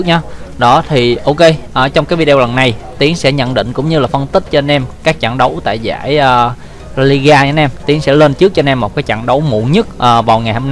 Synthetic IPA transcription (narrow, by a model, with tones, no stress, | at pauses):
k̚ɲaː˨˧˦ɗɔ˨˦t̪ʰi˨˩ʔo˧ke˧ʔəː˨˩t͡ɕɔ˧ŋ͡mkaː˨˦jvi˧ɗe˧wlə˨˩nːa˨˩jt̪i˨˦əŋsɛ̰˧˥ɲə̰˧˨nɗḭ̈˧˨ŋ̟kʊ̰˧˥ŋ͡mɲɨ˧laː˨˩fə˧nt̪ï˦˥k̟̚t͡ɕɔ˧nɛ˧mkaː˦˥k̚t͡ɕa̰˧˨ŋɗə˨˦wt̪a̰ː˧˨jza̰ː˧˥jʔə˨˩ | li˧ɣaː˧ɲa˨˦nɛ˧mt̪i˨˦əŋsɛ̰˧˥le˧nt͡ɕɨ˦˥k̚t͡ɕɔ˧nɛ˧mːo˨˩t̚kaː˨˦jt͡ɕa̰˧˨ŋɗə˨˦wmṵ˧˨ɲə˦˥t̚ʔəː˨˩vaː˨˩wŋa˨˩jha˧n